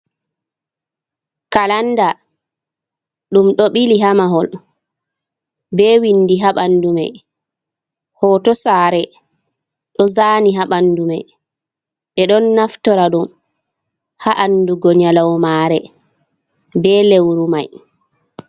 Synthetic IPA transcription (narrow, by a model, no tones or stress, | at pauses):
kalanda | ɗumɗɔɓiliɦamaɦɔl | bɛːwinːdiɦaɓandumɛ | hɔːtɔsaːɾɛ | ɗɔzaːniɦaɓanːdumɛ | ɓɛɗɔnːaftɔɾaɗum | haʔanduɡɔɲalawmaɾɛ | bɛlewɾumaj